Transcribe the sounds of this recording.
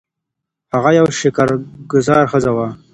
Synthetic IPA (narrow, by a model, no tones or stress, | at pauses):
haɣajawʃɪkaɾɡʊzɑɾxəzawa